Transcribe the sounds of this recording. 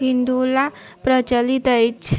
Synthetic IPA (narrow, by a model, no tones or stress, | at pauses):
ɦind̪ula | pɾət͡ʃəlit̪əjt͡ʃʰ